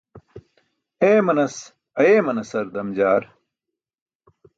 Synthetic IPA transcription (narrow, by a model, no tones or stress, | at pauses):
eːmɐnɐs | ɐjeːmɐnɐsɐɾd̪ɐmd͡ʑaːɾ